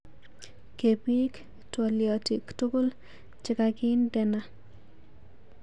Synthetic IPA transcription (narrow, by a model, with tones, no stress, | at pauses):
ke˨pi˦k | tɔ˨ljɔ˨ti˨ktu˦ko˦l | t͡ʃɪ˦ka˦ɡɪ˦ndɛ˦na˦